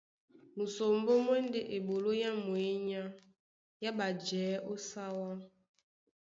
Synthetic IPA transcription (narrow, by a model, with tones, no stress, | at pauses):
mu˨so˨m˦bo˦m˦ɛ˦n˦de˦ʔe˨bo˨lo˦ja˦mwe˨˦ɲa˦ | ja˦ba˨d͡ʒɛː˨˦ʔo˦sa˦wa˦